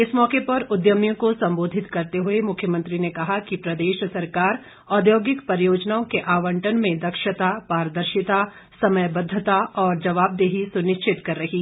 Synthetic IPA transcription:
ɪsmɔːkepɐɾʊd̪jəmjõkosɐ̃mboːd̪ʱɪt̪kɐɾt̪eɦʊemʊkʰːjəmɐ̃nt̪ɾinekɐɦakipɾɐd̪eːʃsɐɾkaːɾ | ɔːd̪joːɡɪkpɐɾjoːd͡ʒnaːõkeʔaːʋə̃ɳʈənmẽd̪ɐkʃət̪apaːɾəd̪əɾʃɪt̪a | sɐməjbɐd̪ʱːət̪aɔːɾd͡ʒɐʋaːb̚d̪eːɦisʊnɪʃt͡ʃɪt̪kɐɾːɐɦiː

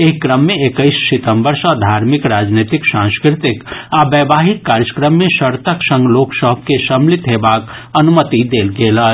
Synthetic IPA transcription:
eɦkɾəmːeekəɪssit̪əmbəɾsə̃d̪ʱaɾmikɾad͡ʒnet̪iksãnskɾɪt̪ikabəbaɦit̪̚kaɾjəkɾəmːesəɾt̪əksə̃ŋɡloksəɦb̚ʱkesəmlit̪ɦebaːkənumət̪id̪elɡelə

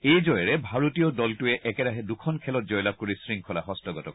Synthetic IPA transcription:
ejd͡ʒɔjɔɹɛbʱaɹotijɔdɔltuɛʔɛkɛɾaɦɛdukʰɔnkʰɛlɔt̚d͡ʒɔjlab̚koɹisɹiŋkʰɔlaɦɔstɔɡɔtɔ

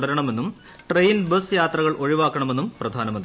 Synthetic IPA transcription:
ɽɐɾɐɳɐme̞nːum | ʈrejnbɐsjaːt̪rɐɣɐɭʔo̞ɻiʋaːkːɐɳɐmenːumprɐd̪ʱaːnɐmɐnd̪i

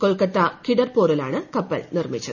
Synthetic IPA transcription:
koɭkɐʈːɐkiɽɐrpoːɾɐlaːɳɨkɐpːɐ̰lɭnirmit͡ɕːɐðɨ

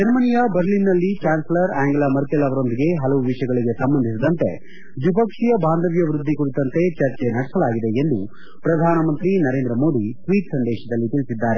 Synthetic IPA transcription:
d͡ʒɐɾmɐnijɐbɐɾlinːɐlːit͡ʃaːnslɐɾaːŋɡɐlɐmɐɾkelɐʋɐɾo̞nd̪iɡe̞ɦɐlɐʋuʋiʂjɐɡɐɭiɡe̞sɐmbɐnd̪ʱisid̪ɐnt̪e̞̰ | d͡ʒ̪up̬ɐkʂijɐbaːnd̪ʱɐʋjɐʋɾud̪ʱːikuɽit̪ɐnt̪e̞t͡ʃɐɾt͡ʃe̞nɐɽɛsɐlaːɡid̪e̞end̪u | pɾɐd̪ʱaːnɐmɐnt̪ɾinɐɾeːnd̪ɾɐmo̞ːd̪ʱisʋiːʈsɐnd̪ɛːʃɐd̪ɐlːit̪iɭisid̪ːaːɾe̞

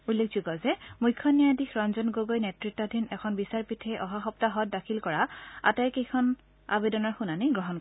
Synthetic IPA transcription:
ulːek̚ʰzuɡɔzɛmujkʰːɔnijadixɹɔnzɔnɡoɡojnɛtɹitːɔdʱinɛkʰɔnbisaɹpitʰɛʔɔɦaxɔptaɦɔt̚dakʰilkɔɹaa̰tajkejkʰɔn | a̰bedɔnaɹxunaniɡɹɔɦɔnk

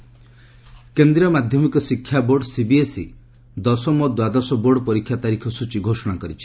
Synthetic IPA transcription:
kend̪ɾiɔmad̪ʱjɔmikɔsikʰːjaboɾɖsibiesi | d̪ɔsɔmɔd̪wad̪ɔsɔboɾɖɔpɔɾikʰjat̪aɾikʰɔsut͡ʃiɡʱosɔɽ̃akɔɾit͡ʃʰi̥

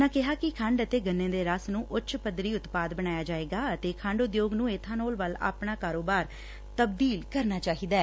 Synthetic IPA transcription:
nãːkɪɦaːkɪkʰə̃ɳɖət̪eːɡənːẽːd̪eːɾaːsnũːʔʊtːt͡ʃʰpəd̪ɾiːʊt̪paːd̪bəɽaːjaːd͡ʒaːeːɡaːət̪eːkʰə̃ɳɖʊd̪joːɡnũːeːt̪ʰãːnoːlʋəla̰ːpɳaːkaːɾoːbaːɾ | t̪əb̚d̪iːlkəɾnaːt͡ʃaːɦiːd̪aː

